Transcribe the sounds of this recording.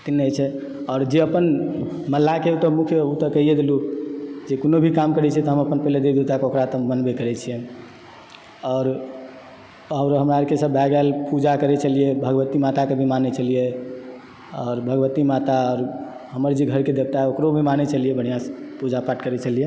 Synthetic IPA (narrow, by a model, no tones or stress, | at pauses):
t̪inːeet͡ʃʰɛ | ɔːɾd͡ʒeəpən | məlːakeut̪ɔmukʰjəut̪əkəɦijed̪elud͡ʒekonobʱikamkəɾɛt͡ʃʰɛt̪ɔɦəməpənpɛɦled̪ed̪et̪akeokɾat̪ɔmənbekəɾɛt͡ʃʰije | ɔːɾ | əʊɾɦəmɾaɾkesəbʱɛɡalpud͡ʒakəɾɛt͡ʃəliebʱəɡʋət̪imat̪akebʱimanɛt͡ʃəlije | ɔːɾbʱəɡʋət̪imat̪aɔːɾ | ɦəməɾd͡ʒiɡʱəɾked̪eb̚t̪aokɾobʱimanɛt͡ʃəlijɛbəɽ̤̃ijaspud͡ʒapaʈkəɾɛt͡ʃəlije